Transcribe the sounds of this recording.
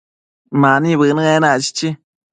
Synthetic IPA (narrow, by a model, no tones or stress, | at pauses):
manibɨnɨɣenat͡ʃi̥t͡ʃi